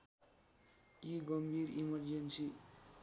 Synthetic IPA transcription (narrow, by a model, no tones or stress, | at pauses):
kiɡʌmbʱiɾimʌrd͡ʒensi